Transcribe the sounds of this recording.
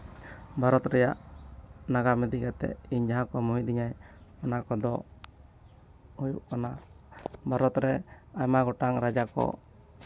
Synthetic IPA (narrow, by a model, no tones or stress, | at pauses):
bʱaɾɔt̪ɾɛjaʔ | naɡamɛd̪ikat̪ɛ̰iɲd͡ʒaɦãkɔmuɦid̪iɲajɔnakɔd̪ɔ | hujuʔkana | bʱaɾɔt̪ɾɛajmaɡɔʈaŋɾad͡ʒakɔ̰